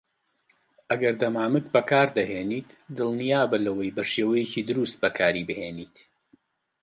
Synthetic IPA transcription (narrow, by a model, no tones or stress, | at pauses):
ʔɐɡɐɾd̪ɐmaːmɨk̚bɐkʰaːɾd̪ɐɦeːniːt̪d̪ɨlˠnijaːbɨlɐwɐjbɐʃeːwɐjeciːd̪ɨɾust̪̚bɐkʰaːɾibɨheːniːt̪